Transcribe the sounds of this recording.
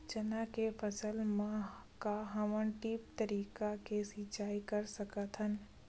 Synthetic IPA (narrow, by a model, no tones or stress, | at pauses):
t͡ʃənakepʰəsəlmã | kaɦɐʋənʈiːp̚t̪əɾiːkakesɪt͡ʃaːikəɾsəkət̪ʰɦən